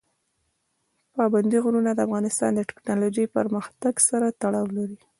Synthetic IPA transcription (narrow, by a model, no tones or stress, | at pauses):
pɑband̪iɣʊɾunad̪əafɣɑnɪst̪ɑ̰nd̪əʈɪ̥knɑlod͡ʒəjpə̰ɾməxt̪aɡsaɾat̪aɽɑwlaɾi